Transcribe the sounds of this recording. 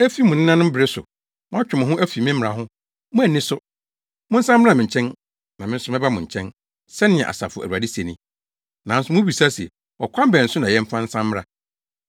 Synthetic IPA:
æ˦fi˦mʊ̃˨nɪ̃˦nã˦nʊ̃˦m̩˦bɪ˨ɾɪ˦sʊ̰˨ | mʊ̃˦a˦t͡ɕᶣʊ̃˨m̃˨ɦʊ̃˦ʔæ˦fi˨m˦ɪ̃˦m˦˨ɾã̰˨ɦʊ̃˦ | mʊ̃˦æ˨nɪ̃˦sʊ˦ | mʊ̃˦n̩˦sã˦mː˦ã˦mɪ̃˨ɲ̩˨t͡ɕʰɛ̃˦n | nã˨mɪ̃˦sʊ˦mɪ̃˦ba˦mʊ̃˨ɲ̩˨t͡ɕʰɛ̃˦n | sɛ˦nɪ̃˦˨ɛ̰̃˨ʔa̰˨sa̰˨fʊ˨æ̰˨wa˨di˦se˨nĩ˦ | nã˨n̩˦sʊ˦mʊ̃˦bi˨sa˦si˨ɛ˨ | wɔ˨kʷʰã˦m˦bɛ˨n̩˨sʊ˦nã˨jɛ̃˦m̩˦fã˦n̩˦sã˦mː˦ɾa˦

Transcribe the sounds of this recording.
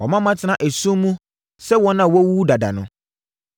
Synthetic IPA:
wɔ˨mã˦mã˦tʰɪ˨nã˨ʔæ˨sũ˦mũ˦ | sɛ˦wɔ̃˦nã˨wɔ˦wuː˦da˨da̰˨nʊ̰̃˦

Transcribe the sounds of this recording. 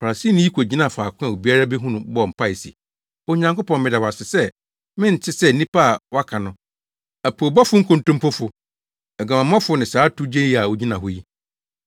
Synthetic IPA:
fa˨ɾa˨si˦˨nʊ̃˦ji˦kʰʷo˨d͡ʑi˦nã˦˨faː˨kʰʊ̃˦a˨o˨bi˦a˦ɾa˦bɛ˦ɦũ˦nʊ̃˨bɔ˦˨m̩˨pʰa˦˨ɪ˨sḭ˨ | o˦ɲã˦ŋko˦pɔ̃˨n˦mɪ̃˨da˨wa˨sɪ˨sɛ˦ | mɪ̃˦n̩˨t͡ɕʰɪ˦sɛ˦nĩ˦pʰa˦˨wa˦kʰã˨nʊ̃˦ | æ˨pʰo˨bɔ˦fʊ˦ŋ̩˦kʰʊ̃˦n˦tʊ̃˦m˦pʰɔ˦fʊ˦ | ɛ˨ɡa˨mã˨m˦ã˦fʊ˦nɪ̃˨saː˨˦tʰu˦d͡ʑe˦i˦˨a˨o˨d͡ʑi˦nã˨ɦʊ˦ji˦

